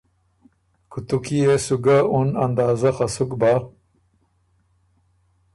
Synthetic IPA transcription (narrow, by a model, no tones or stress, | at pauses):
kʰut̪ukijesuɡaunand̪aːzaxasukba